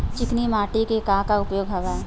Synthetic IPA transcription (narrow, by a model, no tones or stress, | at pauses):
t͡ʃɪknimaːʈikekaːɦkaʊpjoːɡɦɐʋaː